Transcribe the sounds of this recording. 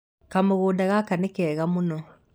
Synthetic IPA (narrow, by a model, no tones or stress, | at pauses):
kamoɣoːdaɣakanɛkɛːɣamonɔ